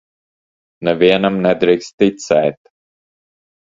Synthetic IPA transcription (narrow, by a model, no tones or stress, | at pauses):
nɛviɛnamnɛd̪ɾikst̪ːit̪sɛːt̪